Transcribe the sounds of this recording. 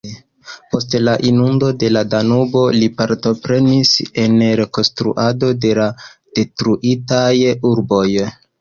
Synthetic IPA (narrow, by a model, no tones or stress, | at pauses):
po̞stlaʔinundo̞de̞ladanubo̞lipaɾto̞pɾe̞nise̞nɾe̞ko̞nstɾṵʔado̞de̞lad̥e̞tɾuʔitajuɾbo̞j